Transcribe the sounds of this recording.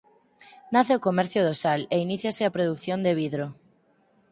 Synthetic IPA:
naθeokomɛɾθjoðosaleiniθjaseapɾoðukθjond̪eβ̞iðɾo

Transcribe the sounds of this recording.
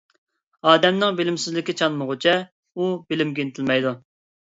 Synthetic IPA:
ɑːd̪ɛmnɪŋbɪlɪmsɪzlɪkʲɪt͡ʃʰɑnmʊʁʊt͡ʃʰɛ | ubɪlɪmɡʲinɪt̪ʰɪlmɛjd̪u

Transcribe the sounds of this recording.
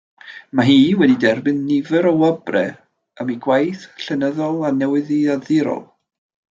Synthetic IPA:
maɦiːwɛdidɛrbɨnːɪvəɾɔwabrɛ | əmiɡwajθɬənəðɔlˠanɛwɨðiaðɪɾɔ̰lˠ

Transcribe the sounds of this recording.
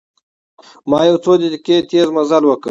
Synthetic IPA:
mɑːjewt͡sod̪ed̪iket̪eːzmazalwəkə̰

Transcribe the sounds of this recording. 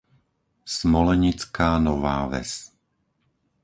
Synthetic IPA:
smɔlɛɲit͡skaːnɔʋaːʋɛ̰s

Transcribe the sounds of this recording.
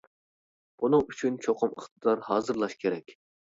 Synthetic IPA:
b̥unɨŋyt͡ʃʰynt͡ʃʰoqʰʊmə̰χt̪ɨd̪ɑɾhɑːzɨɾlˠɑʃkʲʰeɾɛkʲ

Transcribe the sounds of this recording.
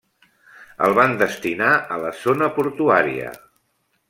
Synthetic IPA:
ə̰lˠβand̪əst̪inaʔələzonəpuɾt̪uaɾḭə̰

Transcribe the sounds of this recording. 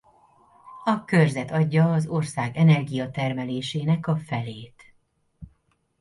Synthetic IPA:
ɒkørzɛt̪ɒɟːɒːzo̞rsaːɡɛnɛrɡijɒt̪ɛrmɛleːʃeːnɛkɒfɛleːt̪

